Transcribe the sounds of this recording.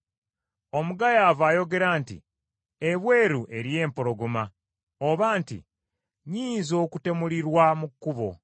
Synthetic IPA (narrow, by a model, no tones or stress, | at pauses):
o̞muɡajaːvaːjo̞ɡe̞ɾaːntḭ | eβwe̞ːɾuʔe̞ɾje̞ːmpoɾo̞ɡoma | oβaːntḭ | ɲiːnzo̞ːkute̞muliɾwamukːuβo̞̰